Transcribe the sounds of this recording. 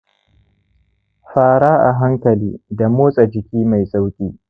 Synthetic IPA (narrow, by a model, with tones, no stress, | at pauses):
ɸaː˦˨ɽaː˦ʔa˨ɦa˦ŋkɐ˨liː˦da˨moː˦sʼa˨d͡ʒɪ˨kʲiː˦ma˨jsʼa˦wkʲʼiː˦